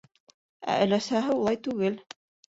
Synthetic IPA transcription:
æ̰ʔɵ̆læsæɦɘulˠɑjt̪ʉɡɘl

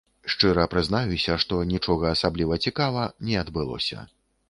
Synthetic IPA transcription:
ʂt͡ʂɨɾɐpɾɨznajusʲɐʂt̪ɔnʲit͡ʂɔɣɐːsablʲivɐt͡sʲikavɐnʲɛɐd̪bɨlˠɔ̰sʲɐ̰

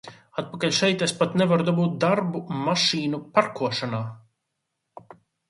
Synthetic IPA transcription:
at̪̚pakaʎʲʃɛjt̪espat̪nɛvaɾud̪ɔbuːt̪̚d̪aɾbumaʃiːnupaɾkuɔʃanaː

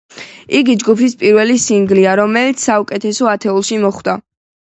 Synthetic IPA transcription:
iɡid͡ʒɡupʰispʼiɾwɛlisiŋɡliaɾɔmɛlit̪sʰsːaukʼɛt̪ʰɛsɔat̪ʰɛulˠʃimɔχd̪a

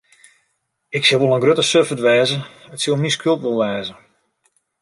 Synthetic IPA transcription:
ɪksɪʋolˠənɡrøtəsøfətʋɛːzəətsilˠmiskʰølˠtʋolˠʋɛːzə

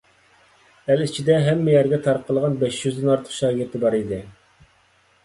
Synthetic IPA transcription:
ælit͡ʃʰid̪ɛɦɛmːɪjɛɾɡʲɛt̪ʰɑɾqʰːəlˠʁɑnbɛʃjyzɨnɑɾt̪ʰə̥qʃɑːɡʲɪɾt̪ʰɨbɑɾid̪ɨ

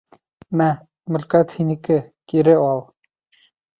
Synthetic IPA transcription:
mæ | mɵ̆lkæt̪hinikɘkiɾɘɑlˠ

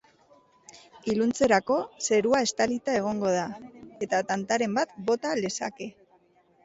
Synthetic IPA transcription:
ilunt͡se̞ɾako̞se̞ɾuae̞st̪alit̪ae̞ɣ̞o̞ŋɡo̞ð̞ae̞t̪at̪ant̪aɾe̞mbat̪bo̞t̪ale̞sa̰ke̞

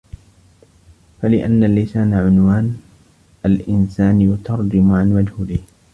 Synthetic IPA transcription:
falɪʔanːalːɪsaːnaʕʊnwaːn | ʔalʔɪnsaːnjʊt̪ʰɑɾˤd͡ʒɪmʊʕanwad͡ʒhbɪh

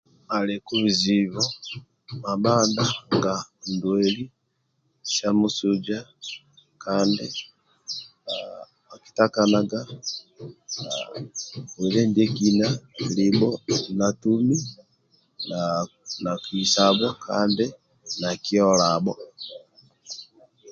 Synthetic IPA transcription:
malɛkuβiziβɔ | mabandaŋɡandwɛli | ʃamusud͡ʒa | kandi | a | aki̥takanaɡa | a̰ | ɛlɛndiɛkinalibɔnatumi | nanakisaβwɔkʰa̰ːndi | nakiɔlabɔ

